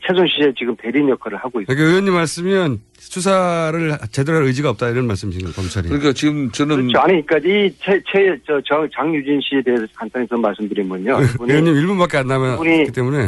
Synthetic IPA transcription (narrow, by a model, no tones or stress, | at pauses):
t͡ɕʰe̞sʰoŋɕʰie̞t͡ɕiɡɯmte̞ɾinjʌkʰaɾɯɭhaɡois͈kik͈aɯjwʌɲːimːaɭs͈ɯmjʌn | sʰus̬ʰaɾɯɭt͡ɕe̞dɯɾaɾɯjd͡ʑiɡaʌp̚t͈aiɾʌnmaɭs͈ɯmsʰiɡankʌmt͡ɕʰaɾiɯɲikat͡ɕiɡɯmt͡ɕɯnɯt͡ɕʰoaɲik͈ait͡ɕʰet͡ɕʰet͡ɕʌt͡ɕʌŋt͡ɕaŋjud͡ʑinɕʰiedeɦesʰʌkant͈aŋit͡ɕʌnmaɭs͈ɯmdɯɾinbuɲouɯjʌɲːimiɭbunbak͈e̞anːamjʌuikit͈e̞mune̞